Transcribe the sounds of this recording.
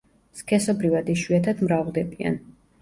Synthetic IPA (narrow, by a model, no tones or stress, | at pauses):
skʰɛsɔbɾivad̪iʃwiat̪ʰad̪mɾavlˠd̪ɛbia̰n